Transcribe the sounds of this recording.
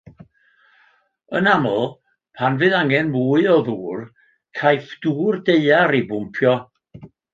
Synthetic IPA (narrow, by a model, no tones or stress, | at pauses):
ə̰namɔlˠ | pʰanvɨðaŋɛnmuːɨɔðuːr | kʰajfd̥uːrdeɨaɾibʊmpʰjɔ